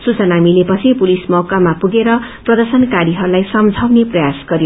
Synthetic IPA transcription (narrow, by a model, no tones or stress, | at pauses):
sut͡sʌnamilepʌt͡sʰipulismʌkamapuɡeɾʌprʌd̪ʌrsʌnkaɾiɦʌɾulajsʌmd͡zʱawneprʌjasɡ̥ʌɾjo